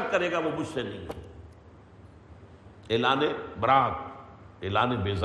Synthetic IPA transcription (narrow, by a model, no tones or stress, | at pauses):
t̪̚kɐɾeːɡaʋoːbʊt͡ʃʰsenɐĩː | eːlaːnebɐɾaːt̪̚ | eːlaːnebeːz